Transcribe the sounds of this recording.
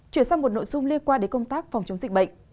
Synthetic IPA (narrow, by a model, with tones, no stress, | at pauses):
t͡ɕwi˧˩ənsaː˧ŋmo˨˩t̚no̰˧˨jzʊ˧ŋ͡mli˧ənkwaː˧nɗe˨˧˩kə˧wŋ͡mt̪aː˦˥k̚fwŋ͡mt͡ɕə˨˦wŋ͡mzï˨˩k̚ɓə̰˧˨jŋ̟